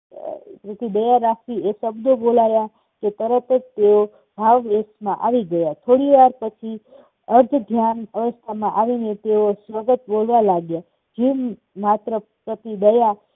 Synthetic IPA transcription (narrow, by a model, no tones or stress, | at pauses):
pɾət̪id̪əjaɾakʰʋiesəbd̪obolaja | ket̪əɾət̪ed͡ʒt̪eo | bʱaʋʋesmãʔaʋiɡəjat̪ʰoɽiʋaɾpət͡ʃʰi | əɾd͡ʒd̪ʱjanəʋəst̪ʰamãʔaʋinet̪eosʋəɡət̪bolʋalaɡja | d͡ʒim | mat̪ɾəpɾət̪id̪əja